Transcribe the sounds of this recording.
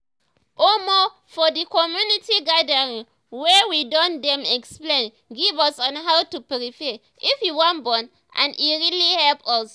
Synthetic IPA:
ʔomɔ | fɔdikɔmjunitiɡadəɹĩŋ | wɛwidɔ̃ndɛ̃mɛksplẽn | ɡivɔsɔ̃nɦawtupɹifɛ | ifjiwɔ̃nbɔ̃n | ʔã̰niɹilihɛlpɔs

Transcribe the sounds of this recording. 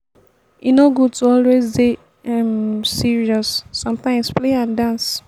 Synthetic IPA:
inoɡud̚tuɔlwezde | ɛmsiɹiɔsːɔ̃mtãɪ̃mspleãndãns

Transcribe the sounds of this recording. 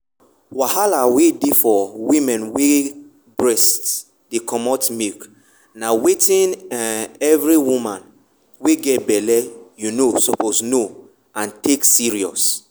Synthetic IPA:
wahalawedifɔwĩmɛ̃nwe | bɹɛst | dikʰɔmɔtmilk | nawetĩn | ɛvɹiwumãn | weɡɛtbɛlɛjunosɔposno | ãntʰeksiɹiɔ̰s

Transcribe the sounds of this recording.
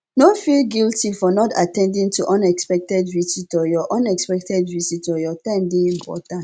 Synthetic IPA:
nofilɡiltifɔnɔta̰tɛ̃ndĩŋtʰuʔɔ̃nɛkspɛk̚tɛdvititɔjɔʔɔ̃nɛkspɛk̚tʰɛdvisitɔjɔtãɪmdeĩmpɔ̰tãnt

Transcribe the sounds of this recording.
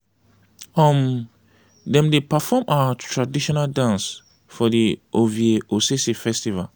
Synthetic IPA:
ɔm | dɛ̃mdepafɔmʔawatʰɹadiʃɔnaldãns | fɔdiʔovieʔosesifɛstiva̰l

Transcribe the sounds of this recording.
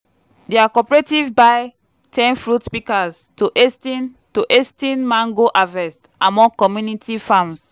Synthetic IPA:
deakɔpɹetivbaɪ | tʰɛ̃nfɹutpikaztoʔestin | toʔestĩnmãŋɡoʔavɛstãmɔ̃kɔmjunitifãms

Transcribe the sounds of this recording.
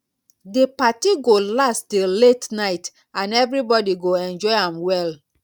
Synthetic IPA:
depatiɡolastdeletnaɪt | ãnɛvɹibɔdiɡoɛ̃nd͡ʒɔɪãmwɛl

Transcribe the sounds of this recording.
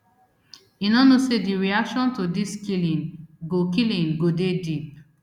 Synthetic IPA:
inɔnosediɹiakʃɔ̃ntodiskilĩnɡokilĩnɡodedip̚

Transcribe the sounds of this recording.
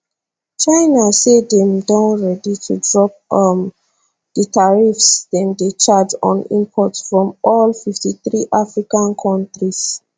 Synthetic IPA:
t͡ʃaɪnasedɛ̃mdɔ̃nɹɛditʰudɹɔp̚m | d̥ətʰaɹifsdɛ̃ndet͡ʃad͡ʒɔ̃nḭ̃mpʰɔtfɹɔ̃mɔlfiftiθɹiʔafɹikãnkʰɔ̃ntɹis

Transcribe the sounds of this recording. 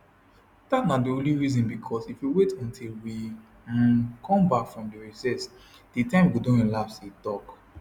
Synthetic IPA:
d̥atnadiõliɹizɔ̃nbikʰɔsifjuwetɔ̃ntʰilwi | kʰɔ̃mbakfɹɔ̃mdiɹisɛs | d̥itãɪ̃mwidõɛ̃nlapsitɔk

